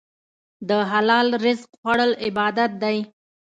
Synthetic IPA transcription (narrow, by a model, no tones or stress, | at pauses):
d̪əɦalɑlɾɪzqxwaɽəlɪbɑd̪at̪̚d̪aj